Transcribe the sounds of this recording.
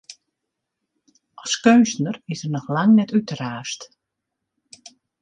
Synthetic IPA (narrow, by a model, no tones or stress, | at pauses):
ɔlˠskøːnsnərɪsərnɔxlaŋnɛtytəraːst